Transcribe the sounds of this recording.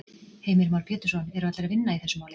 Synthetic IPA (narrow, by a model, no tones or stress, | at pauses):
heːjmɪɾmawɾpʰjɛːt̪ʏ̥sɔnɛɾʏat̪lɾaðvɪnːaiθɛsːʏmaːwlɪ